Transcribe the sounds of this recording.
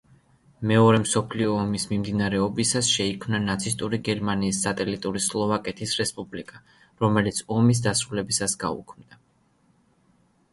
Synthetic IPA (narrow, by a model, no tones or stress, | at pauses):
mɛɔɾɛmsɔpʰliɔːmismimd̪inaɾɛɔbisasʃɛikʰmnanat̪sʰist̪ʼuɾiɡɛɾmaniːsːat̪ʼɛlit̪ʼuɾislˠɔvakʼɛt̪ʰisɾɛspʼublikʼa | ɾɔmɛlit̪sʰɔmis̬d̪asɾulɛbisasɡ̥a̰ṵkʰmd̪a